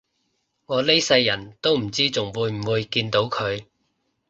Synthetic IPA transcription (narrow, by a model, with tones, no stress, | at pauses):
ŋɔː˨˧le˥jsɐ˧jːɐ˨˩nt̪o˥wm̩˨˩t͡siː˥t͡sʊ˨˩ŋwuː˨˧jm̩˨˩wuː˨˧jkiː˧nt̪o˨˥wkʰɵ˨˧ɥ